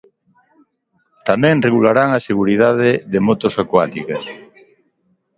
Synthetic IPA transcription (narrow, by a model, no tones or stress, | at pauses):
t̪amɛ̃ŋreɣulaɾaŋaseɣ̞uɾiðaðeðemot̪osakwat̪ikes